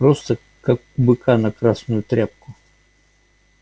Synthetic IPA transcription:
pɾost̪ə | kak | bɨkʰanɐkɾasnʊjʊt̪ɾʲap̚kʊ

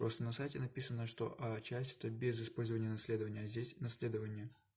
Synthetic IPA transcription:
pɾost̪ənɐsajtʲɪnɐpʲisənəʂt̪o̞̰ʔɐt͡ɕæsʲtʲɛ̥t̪əbʲezɨspo̞lʲzəvənʲɪjənɐsʲlʲe̞d̪əvənʲɪjəɐzʲdʲesʲnɐsʲlʲe̞d̪əvənʲɪjə

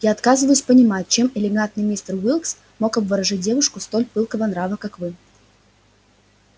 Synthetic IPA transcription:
jaɐt̪kazɨvəjʊsʲpənʲɪmat̚ʲt͡ɕe̞mɪlʲɪɡant̪nɨjmʲist̪ərwʲilˠks | mo̞kɐbvəɾɐʐɨt̚ʲdʲe̞vʊʂkʊst̪o̞lʲpɨlˠkəvənɾavəkakvɨ

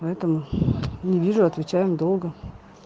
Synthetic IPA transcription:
pɐɛt̪əmʊnʲɪvʲiʐʊɐt̪vʲɪt͡ɕæjɪmd̪o̞lˠɡə

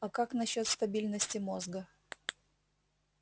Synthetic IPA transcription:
ɐkaknɐɕːo̞t̪st̪ɐbʲilʲnəsʲtʲɪmozɡə

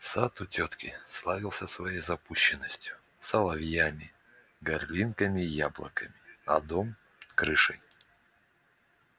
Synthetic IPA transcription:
sat̪ʊtʲot̪kʲɪslˠavʲɪlˠsʲəsvɐjejzɐpuɕːɪnːəsʲtʲjʊ | sɐlˠɐvjamʲɪ | ɡɐrlʲinkəmʲɪjablˠə̰kəmʲɪɐd̪om | kɾɨʂəj

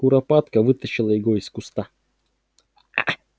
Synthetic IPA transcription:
ʊɾɐpat̪kɐvɨt̪əɕɪlˠəjɪɡoɪskʊst̪a

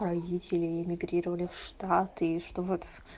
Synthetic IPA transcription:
ravitʲʰelʲeemʲiɡrirɐvalʲifʂtʰatʰejʂt̪ʼvɨt

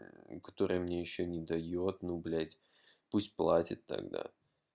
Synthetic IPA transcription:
kɐ̥t̪o̞ɾɨjəmnʲejɪɕːonʲɪd̪ɐjot̪nublʲæt̪ʲ | pusʲtʲplˠatʲɪt̪ːɐ̰ɡd̪a̰

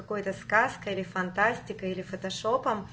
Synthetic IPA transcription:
ɐko̞jt̪əskaskəilʲɪfɐnt̪asʲtʲɪkəilʲɪfət̪ɐʂopəm

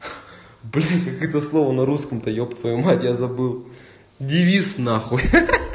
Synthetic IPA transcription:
blʲikɐkɛt̪əslˠovənɐɾuskəmt̪ɐjopt̪vɐjumatʲjazɐbɨlˠ | dʲɪvʲisnaxoj

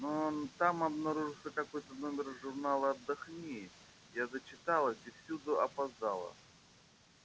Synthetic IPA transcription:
not̪amɐbnaɾuʐɨlˠsʲəkɐko̞jt̪əno̞mʲɪrʐʊrnalˠəɐd̪ːɐxnʲi | jazət͡ɕɪt̪alˠəd̪ʲɪfsʲud̪ʊɐpazd̪alˠə̰

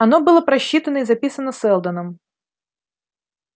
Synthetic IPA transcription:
ɐnobɨlˠəpɾɐɕːit̪ənəizɐpʲisənəsɛlˠd̪ənəm

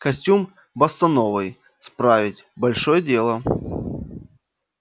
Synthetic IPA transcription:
kɐsʲtʲum | bɐst̪ɐnovɨj | spɾavʲɪtʲbɐlʲʂojədʲe̞lˠə

